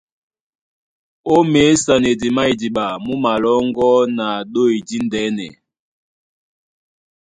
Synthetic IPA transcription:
o˦me˨˦sa˨ne˨di˨ma˦i˨di˨ɓa˨mu˦ma˨lɔ˦ŋ˦ɡɔ˦na˨ɗo˦˨i˨di˦ndɛ˨˦nɛ̰˨

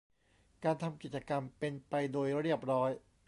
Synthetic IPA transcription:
kaː˧nt̪ʰa˧mki˨˩t̪̚t͡ɕa˧ka˧mpe˧npa˧jdoː˧jɾi˥˩əp̚ɾɔː˦˥j

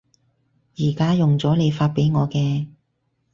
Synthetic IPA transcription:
jiː˨˩kaː˥jʊ˨˩ŋt͡sɔː˨˥le˨˧jfaː˧t̚pe˨˥jŋɔː˨˧kɛː˧

